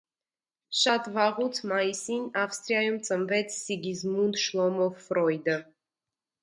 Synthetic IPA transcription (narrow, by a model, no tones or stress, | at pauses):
ʃɑt̪vɑʁut͡s̪ʰmɑjisinɑfst̪ʼɾijajumt͡sʼəmvɛt͡sʰːiɡizmund̪ʃlˠɔmɔvːɾɔjd̪ə